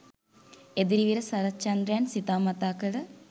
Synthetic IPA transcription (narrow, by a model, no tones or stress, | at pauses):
ed̪iɾiʋiɾəsɐɾɐt͡ʃɐnd̪ɾejansit̪aːmɐt̪aːkəɭə